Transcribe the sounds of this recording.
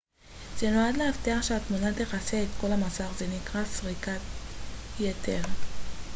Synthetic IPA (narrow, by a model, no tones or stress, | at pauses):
z̥e̞no̞adleaft̪eaχʃeatmunateχaseːtko̞lamasaχze̞nikʁasʁika | jetʰe̞ʁ